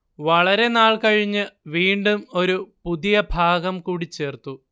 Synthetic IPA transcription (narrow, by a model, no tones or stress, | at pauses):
ʋɐɭɐɾe̞naːɭkɐɻiɲːɨʋiːɳɖumo̞ɾupuðijɐbʱaːɡɐmkuːɽit͡ɕːe̞ːrt̪u